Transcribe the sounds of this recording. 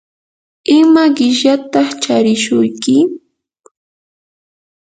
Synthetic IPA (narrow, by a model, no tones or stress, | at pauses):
ɪmaɢɪʃat̪ɑχt͡ʃaɾɪʃʊjkɪ